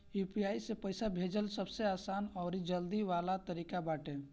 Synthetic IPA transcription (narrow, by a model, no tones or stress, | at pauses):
jupiaːisepəɪsabʱed͡ʒəlsəbseaːsaːnɔːɾid͡ʒəld̪iʋalat̪əɾiːkabaːʈe